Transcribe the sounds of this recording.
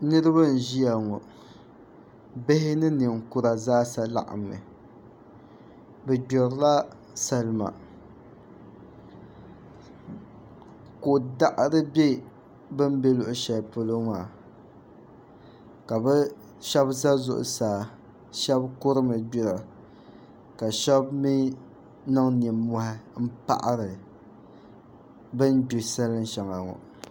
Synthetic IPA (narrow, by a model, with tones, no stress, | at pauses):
nɨ˦ɾɨ˦βa˦˨n̩˨ʒi˦ja˨ŋɔ˨ | be˦hɪ˦nɨ˦nɨ˨ŋkʊ˦ɾa˨zaː˦sa˦la̰˦ʔa̰˨mːɨ̰˨ | bɛ˨ɡ͡bɔ˨ɾla˦ | sa˨lma̰˨ | ko˨da˦ʔɾɨ˦be˦ | bɨ˦m˦be˦lʊ˨ʔʊ˨ʃɛ˨lpʊ˨lo˦maː˨ | ka˨bɛ˦ | ʃɛ˦bza˦zʊ̰˨ʔʊ̰˨saː˨ | ʃɛ˦bkʊ˦ɾɨ˦mɨ˨bi˦ɾa˨ | ka˨ʃɛ˦bmi˦ | na˦ŋniː˨ɔ˨hɪ˦m̩˦pa̰˦ʔa˦ɾɨ˨ | bɨ˦ndu˨sa˦lɨ˦n˦ʃa˨ŋa˨ŋɔ̰˨